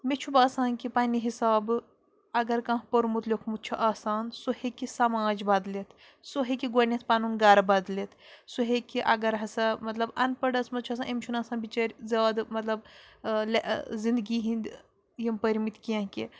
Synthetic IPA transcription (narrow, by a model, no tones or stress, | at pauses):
met͡ʃʰubaːsaːnkipɐːniɦisaːb | ɐɡɐɾkɐ̃ɦpoɾmut̪lʲokʰmut̪̚t͡ʃʰuʔaːsaːnsohekisɐmaːd͡ʒbɐd̪let̪ʰ | soɦekiɡonʲɐt̪ʰpɐnunɡɐɾbɐd̪let̪ʰsuɦekiʔɐɡɐɾɦɐsɐmɐt̪lɐbɐnpɐɽɐsmɐt̪̚t͡ʃʰuɐs̬ãnʔemt͡ʃʰunɐːsãːnbit͡ʃɐːɾʲzaːd̪mɐt̪lɐblzind̪ɡiɦĩnd̪ | jimpɐɾʲmit̪ʰkiɐ̃ɦke